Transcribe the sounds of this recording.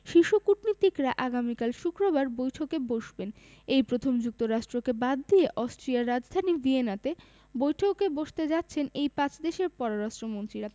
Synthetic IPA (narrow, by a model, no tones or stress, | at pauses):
ʃiʃukuʈnit̪ikɾaʔaɡamikalʃukɾobaɾbojʈʰokeboʃben | ejpɾot̪ʰomd͡ʑuk̚t̪oɾaʃʈɾokebad̪ːijeʔɔsʈɾiaɾːad͡ʑd̪ʱanivienat̪e | bojʈʰokːeboʃt̪ed͡ʑat̪ːɕʰenejpãt͡ɕd̪eʃeɾpɔɾoɾaʃʈɾomont̪ɾiɾa